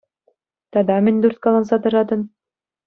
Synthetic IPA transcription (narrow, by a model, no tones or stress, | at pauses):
t̪ɑd̪ɑmind̪uɾt̪̚kɑlˠɑnsɑt̪ɤ̆ɾɑd̪ɤ̆n